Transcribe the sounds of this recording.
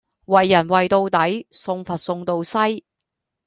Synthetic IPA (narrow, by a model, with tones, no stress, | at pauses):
wɐ˨jːɐ˨˩nwɐ˨jt̪o˧wt̪ɐ˨˥jsʊ˧ŋfɐ˨t̚sʊ˧ŋt̪o˧wsɐ˥j